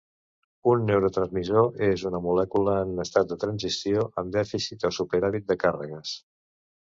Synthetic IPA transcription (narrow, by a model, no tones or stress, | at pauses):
unːewɾot̪ɾənzmizoʔezunəmulɛkuləːnəst̪at̪̚d̪ət̪ɾənzisioʔəmd̪ɛfisit̪əsupəɾaβit̪̚d̪əkarə̰ɣ̞əs